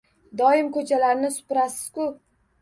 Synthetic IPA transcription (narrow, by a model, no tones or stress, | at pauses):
d̪ɒɪmkʰɵt͡ʃʰalaɾnɪsʊ̥pɪɾasɪ̥z̥kʊp̚